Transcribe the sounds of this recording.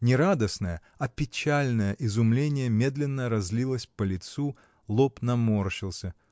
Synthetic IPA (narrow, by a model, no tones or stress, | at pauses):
nʲɪɾad̪əsnəjə | ɐpʲɪt͡ɕalʲnəjəʔɪzʊmlʲenʲɪjəmʲe̞d̪lʲɪnːəɾɐzʲlʲilˠəsʲpəlʲɪt̪su | lˠopnɐmorɕɪlˠsʲə